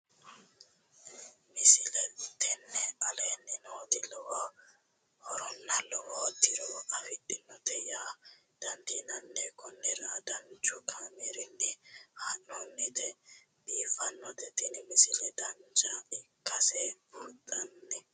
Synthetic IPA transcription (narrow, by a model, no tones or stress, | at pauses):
mɪsɪlɛt̪ɛnːɛɐleːnːɪnoːt̪ɪlɔwa | hɔɾɔnːɐlɔwɔt̪ːɪɾɔwɐfɪtʼːɪnːɔt̪ɛjaː | d̪̥ɐnt̪iːnɐnːɛkɔnːɛɾaːd̪ɐnt͡ʃʊkʰamɛɾɪnːɪhɐnːɔnːɛt̪ɛ | biːfɐnːɔt̪ɛt̪ɪnmɪsɪlɛd̪ɐnt͡ʃaɪkːɐsɛbɔɾt̪ʼɐnːɛ